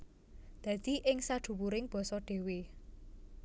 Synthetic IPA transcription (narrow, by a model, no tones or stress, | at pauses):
d̪̥ä̤d̪̥i̤ʔɪŋsḁd̪̥ṳwuɾɪŋb̥ɔ̤sɔɖ̪̥e̤we